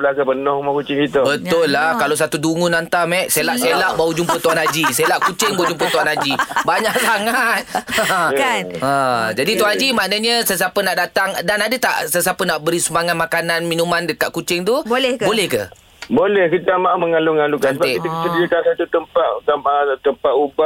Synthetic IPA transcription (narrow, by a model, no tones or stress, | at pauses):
bəlakapənɔhmakut͡ʃɪŋkit̪əbət̪ʊlːahkalos̬at̪uduŋʊnant̪amɛʔselaʔselaʔbaud͡ʒumpət̪uanad͡ʒiselaʔkut͡ʃɪŋbawud͡ʒumpət̪uanad͡ʒibaɲaʔsaŋat̪̚ | ə̃d͡ʒadit̪uanad͡ʒimaʔnəɲəsəs̬apənaʔdat̪aŋdanadət̪a̰ʔsəs̬apənaʔbəɾisəmaŋat̪̚makananminũmandəkaʔ̚kut͡ʃɪŋt̪ubolɛhbolɛhkə̰ | bolɛhkit̪amaʔuməŋaluŋalukanəb̪eit̪akit̪ədiəkansat̪ut̪əmpat̪̚t̪at̪əmpaʔuba